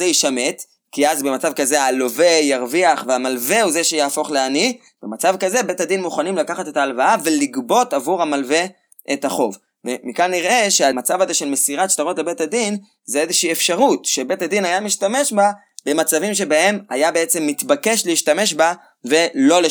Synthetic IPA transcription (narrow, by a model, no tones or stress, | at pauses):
eiʃame̞t | kiazbemat͡savkaze̞alo̞ve̞jaʁviaχveamalve̞uzeʃejaːfo̞χleani | b̥emat͡savkaze̞be̞tad̪inmuχanimlakaχate̞taːlvaave̞liɡbo̞tavuʁhamalve̞ | ʔethaχo̞v | vemikanːiʁʔe̞ʃeamat͡savaze̞ʃe̞lme̞siʁatʃt̪aʁo̞tle̞be̞tadin | zeezeʃiiefʃaʁutʃebe̞tad̪inajamiʃtame̞ʃba | be̞mat͡savimʃe̞bahe̞ma̰jabeet͡se̞mːitbake̞ʃleiʃtame̞ʃba | ve̞lo̞le